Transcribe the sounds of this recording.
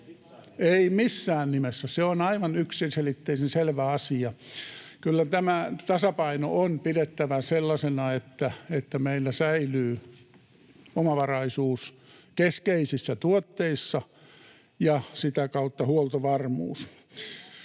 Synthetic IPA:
eimisːæːnnimesːæseonɑiʋɑnyksinselit̪ːeisenselʋæɑsiɑkylːæt̪æmæt̪ɑsɑpɑino̰ʔonpidet̪ːæʋæselːɑsenɑet̪ːæet̪ːæmeilːæsæilyː | omɑʋɑrɑisuːs | keskeisisːæt̪uot̪ːeisːɑ | jɑsit̪ækɑut̪ːɑhuolt̪oʋɑrmṵːs

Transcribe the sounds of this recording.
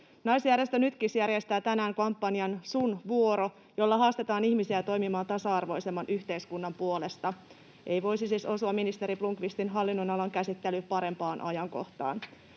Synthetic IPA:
nɑjsjærjest̪ønyt̪kisjærjest̪æːt̪ænæːŋkɑmpːɑniɑnsunʋuo̞ɾo̞ | jo̞lːɑɦɑːst̪e̞t̪ɑːnihmisiæt̪o̞jmimɑːnt̪ɑsɑɑrʋo̞jse̞mːɑnʔyçt̪e̞jskunːɑmpuo̞le̞st̪ɑ | ʔe̞jʋo̞jsisiso̞suɑmːinist̪e̞ɾipluŋkʋist̪inɦɑlːinːonɑlɑŋkæsit̪ːelypɑɾe̞mpɑːnʔɑ̰jɑŋko̞̰ht̪ɑ̰ːn

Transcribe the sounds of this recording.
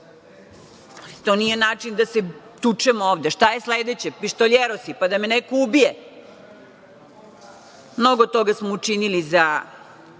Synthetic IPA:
t̪o̞nije̞naːt͡ʃind̪ase | t̪ut͡ʃɛmooːʋd̪eʃt̪ajesled̪et͡ɕepiʃt̪oʎʲeɾosipad̪amenekoubije | mno̞ɡott̪o̞ɡasmout͡ʃiniliza

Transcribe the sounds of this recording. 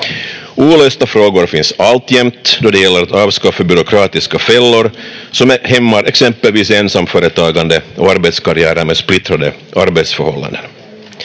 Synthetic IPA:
uːɭøːst̪afɾoːɡʊɾfɪnsalt̪ːjɛmt̪d̪ɔd̪ɛjɛlːəɾat̪ɑːvskɑfːəbʏɾʊkʰɾɑːt̪ɪskafɛlːʊɾsɔmæhɛmːaɾʔɛksɛmpəlviːseːnsamːfœːɾət̪ʰɑːɡand̪əɔaɾbɛt̪skaɾɪæːɾəmeːsplɪt̪ɾad̪əaɾbet̪sfœɾhɔ̰lːa̰nd̪ən

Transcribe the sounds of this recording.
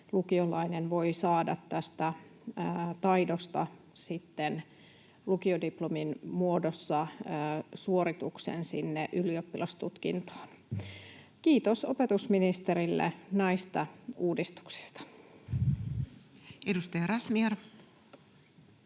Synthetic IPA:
lukiolɑinenʋo̞isɑːdɑ̰t̪tæst̪æ | t̪ɑjdost̪ɑ | sit̪ːen | lukiodiplominmuodosːɑ | suoɾit̪uksḛnsinːeʔyliopːilʔɑst̪ut̪kḭnt̪o̥ːn | kiːt̪osope̞t̪usminist̪eɾilːḛnɑist̪ɑuːdist̪u̥ksi̥st̪ɑ̥ | edust̪ɑjɑɾɑsmier

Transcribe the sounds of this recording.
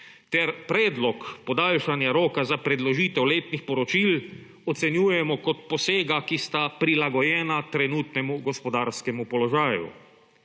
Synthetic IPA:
t̪ɛɾpɾɛːd̪lɔkpɔd̪aːlʃanjaɾoːkazapɾɛd̪lɔʒiːt̪ɛwleːt̪nixpɔɾɔt͡ʃil | ɔt̪sɛnjuːjɛmɔkɔt̪pɔseːɡakist̪apɾilaɡɔjɛːnat̪ɾɛnuːt̪nɛmuɡɔspɔd̪aːɾskɛmupɔlɔʒaːjṵ

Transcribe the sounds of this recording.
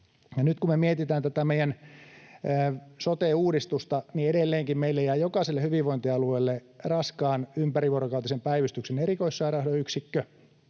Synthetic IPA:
jɑnyt̪kumemiet̪it̪æːnt̪æt̪æmeijænː | sot̪eːuːdist̪ust̪ɑnieɾelːeːŋkimmeilːejæːjokɑˑselːehyʋiʋʋoint̪iɑlueilːe | rɑskɑːnympæriʋuorokɑut̪ɑsempæiʋyst̪yksenerikoissɑːɾɑhɾoyksikːø

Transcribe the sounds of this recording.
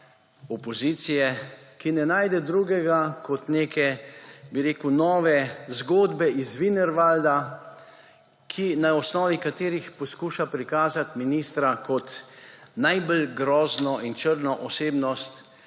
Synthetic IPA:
ɔpɔziːt̪sijɛkinɛnaːjd̪ɛd̪ɾuːɡɛɡakʰɔt̪neːkɛbiɾeːkunɔːʋɛzɡoːd̪bɛizʋinɛɾʋald̪a | kʰinaɔsnɔːʋikat̪eːɾixpɔskuːʃapɾikaːzat̪miniːst̪ɾakɔt̪najbəlɡɾɔːznɔint͡ʃəɾnɔʔɔseːbnɔst̪

